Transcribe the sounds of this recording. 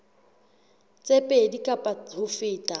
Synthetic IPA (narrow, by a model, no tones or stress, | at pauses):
t͡sʼepʼedikʼapʼaʊfɪːtʼa